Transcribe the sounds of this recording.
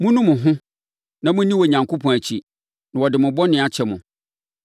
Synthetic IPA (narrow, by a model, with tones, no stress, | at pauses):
mʊ̃˦nũ˦mʊ̃˨ɦʊ̃˦ | nã˨mʊ̃˦nĩ˦wɔ˨ɲã˨ŋkʰo˦pʰɔ̃˨æ˨t͡ɕʰi˨ | nã˨wɔ˨dɪ˨mʊ̃˨bɔ˦nɪ̃˨a˨t͡ɕʰɛ˨mʊ̃˨